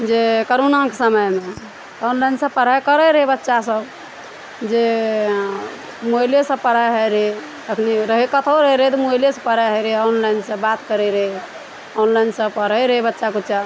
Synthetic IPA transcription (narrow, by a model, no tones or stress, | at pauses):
d͡ʒekəɾunãkesəməjme | t̪ɔnlainsə̃bpəɾ̤ajkəɾəɾəɦebətːʃasəb | d͡ʒe | molesə̃bpəɾaɦəɾe | əkʰneɾəɦekət̪ʰəwɾəɦeɾəɦet̪ɔmojljesə̃pəɾaɦəjɾeɔnlainsə̃bat̪kəɾeɾəɦe | ɔnlainsə̃bpəɾəjɾəɦebətːʃakutːt͡ʃa